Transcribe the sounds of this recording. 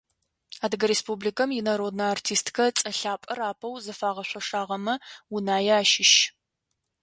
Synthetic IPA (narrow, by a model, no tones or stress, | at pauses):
aːdɨɡɐɾeːspublikʰɐmjɪnɐɾoːdnɐartʰiːstkʰɐt͡sʼɐɬaːpʼɐraːpʰɐwzɨfaːʁɐɕʷɐʂaːʁɐmɐwʊnaːjɛaːʃɪʃ